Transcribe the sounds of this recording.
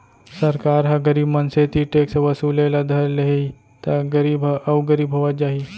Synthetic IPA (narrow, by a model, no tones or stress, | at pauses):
sɐɾkaːɾɦɐɡɐɾiːbmɐnset̪ʰiʈeksʋɐsuːlelad̪ʱɐɾleɦei | t̪aɡɐɾiːbɐwɡəɾiːbɦoʋət̪̚d͡ʒaːɦi